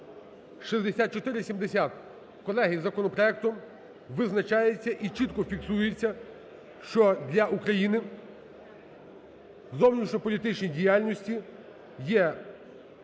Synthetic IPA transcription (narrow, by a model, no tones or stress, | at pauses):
ʃizd̪esʲat̪̚t͡ʃɔt̪ɪɾɪsʲimd̪esʲat̪ | kɔlˠɛɦizɐkɔnɔpɾɔɛk̚t̪ɔm | ʋɪznɐt͡ʃɑjet͡sʲːɐʔit͡ʃit̪kɔfʲiksujet͡sʲːɐ | ʃt͡ʃɔd̪ʲlʲɐʔukɾɐjinɪ | zɔwnʲit͡ʃɲʲɔpɔlʲit̪ɪt͡ʃnʲijdʲijalʲnʲɔsʲtʲi | jɛ